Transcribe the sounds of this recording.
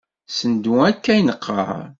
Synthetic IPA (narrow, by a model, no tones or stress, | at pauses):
sənd̪uækːæjnəqʰːə̰ɾ